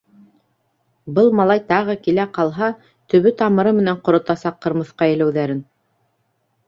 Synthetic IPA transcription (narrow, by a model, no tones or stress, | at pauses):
bɤlˠmɑlˠɑjt̪ɑʁɤkilæqɑlˠɦɑ | t̪ɵ̆βɵt̪ɑmɤ̆ɾɤmɘ̆næɴqŏɾŏt̪ɑsɑqːɤ̆ɾmɤ̆θqɑɘ̆læwðæɾɘn